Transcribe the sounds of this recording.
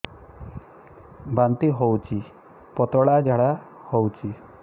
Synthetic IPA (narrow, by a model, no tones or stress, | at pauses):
bant̪iɦowt͡ʃʰi | pɔt̪ɔɽad͡ʒaɽa | howt͡ʃʰi